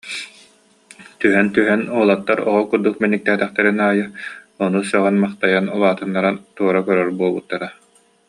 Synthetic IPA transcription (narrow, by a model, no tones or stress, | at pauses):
t̪yɦɛnt̪yɦɛnuɔlˠɔt̪ːaɾɔʁɔkuɾd̪uk̚mɛnːik̚t̪æːt̪ɛχt̪ɛɾinaːjɯɔnusœʁɛnmaχt̪ajanulˠaːt̪ɯnːaɾant̪uɔɾakœɾœɾbuɔlˠbut̪ːaɾa